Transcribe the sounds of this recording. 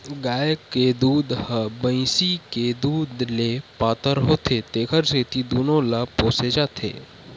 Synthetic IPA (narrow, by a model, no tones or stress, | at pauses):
ɡaːjəkːed̪uːd̪həbə̃ɪsiked̪uːd̪lepaːt̪əɾɦoːt̪ʰet̪eːkʰəɾset̪id̪uːnõlapoːsed͡ʒaːt̪ʰḛː